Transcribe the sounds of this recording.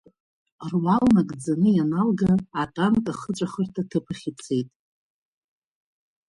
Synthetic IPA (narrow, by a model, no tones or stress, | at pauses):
rwalnakʼd͡zanɨjanalɡaːtʼankʼaχət͡ʃʷʼaχərtʰatʰɨpʰɨχʲit͡sʰejtʼ